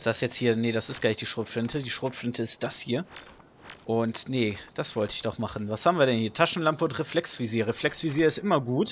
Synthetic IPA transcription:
sd̥asjɛt͡sthiːɐnədasɪstɡ̥laɪçd̥iːʃʁ̥oːtflɪntʰədiːʃʁ̥oːtflɪntʰəɪst̚d̥ashiːɐ | ʔʊntnəd̥asv̥ɔltəɪçd̥ɔχmaχn̩vashaːbm̩viːɐɾɛnhiːɐtʰaʃn̩lampəʊntʁ̥eflɛksv̥iziːɐʁeflɛksv̥iziːɐɪstʔɪmɐɡuːt

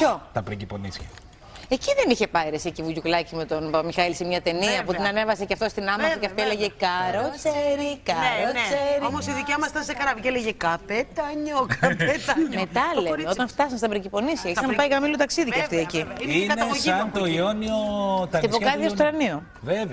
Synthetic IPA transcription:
çot̪ɐpɾeciponisçɐ̰ | eciðe̞niçe̞pɐiɾesicivuʝuklɐcime̞t̪o̞nmixɐilisemɲɐt̪e̞niɐpuinɐnevɐsecɐft̪o̞st̪inɐmɐsɐkeɐft̪oeleʝe̞kɐɾot͡seɾikɐɾot͡seɾiomosiðicɐmɐst̪ɐnsekɐɾɐvʝeleʝekɐpet̪ɐɲokɐpet̪ɐmet̪ɐlle̞meo̞t̪ɐɱft̪ɐsɐnst̪ɐbɾiɲɟipo̞nisçɐissɐnpɐiɣɐmilut̪ɐksiðikɐft̪ieciinesɐnt̪oio̞niot̪ɐt̪ipokɐðiɐst̪oɾɐnio | veve

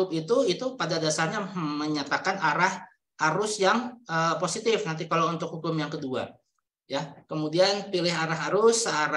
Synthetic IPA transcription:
ʊpit̪uit̪upadadasarɲaməɲat̪akanaɾah | aɾʊsjaŋəposit̪ɪfnant̪̬ikalawunt̪ʊk̚hukʊmjaŋkədua̰ | jakəmudianpilɪɦaɾaɦaɾʊsaɾ

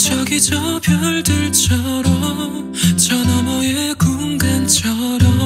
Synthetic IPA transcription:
t͡ɕʌɡid͡ʑʌpjʌɭdɯɭt͡ɕʰʌɾʌmm | t͡ɕʌnamʌjekuŋɡant͡ɕʰʌɾʌ

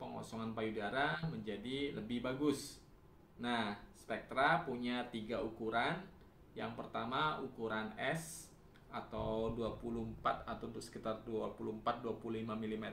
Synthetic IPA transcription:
pəŋɔ̰sɔŋanpajudaɾaməɲd͡ʒadiləbɪhbaɡʊs | nahspɛk̚t̪ɾapuɲat̪iɡaukuɾan | ja̰ŋpərt̪amaukuɾanɛs | at̪awduapulumpat̪̚at̪aut̪ʊsə̥kit̪arduapulumpat̪̚duapululimamilimet̪

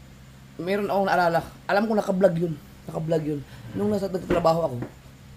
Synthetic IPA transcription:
mɛːɾonʔɐkoŋɐʔɐlaːlɐʔɐlamkonɐkɐblaɡjonː | ɐkɐblaɡjonnʊŋnɐsɐnɐɡt̪at̪ɾɐbaːɦo̞ʔɐko̞

